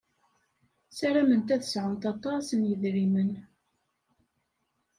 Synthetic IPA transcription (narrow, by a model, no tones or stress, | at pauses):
sæɾæmənt̪æðəsʕənt̪ɑt̪ˤɑsənjəðɾimən